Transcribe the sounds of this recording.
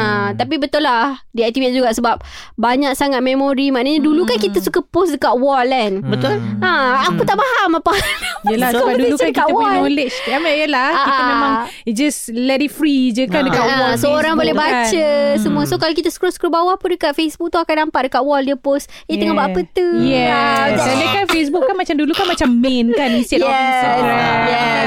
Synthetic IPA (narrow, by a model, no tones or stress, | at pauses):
at̪ap̬ibət̪ulahdiak̚t̪ivet̪̚d͡ʒuɡaʔsəbap̚baɲak̚saŋat̪̚memoɾimaʔnaɲadulukankit̪əsukəposdəkat̪̚wɔlɛnbət̪ulãakut̪aʔpaɦamapajəlakaduiukt͡ʃkakiaʔ̪əwɔolet͡ʃamajəlaakiəmẽmãŋ | id͡ʒaslɛdifɾid͡ʒəkandəkanawɔsəoɾaŋbolɛhbat͡ʃəsəmũasokalok̬it̪asə̥kɾusə̥kɾubawahpundəkat̪̚fesbuk̚t̪uakandampat̪̚dəkat̪ʔ̚wɔldiəpos | iəŋabaʔpət̪ujɛaaləkanfes̬bukːanmat͡ʃamdulukanmat͡ʃamːɛ̃nkaninstaɛist̪aɡɾajɛ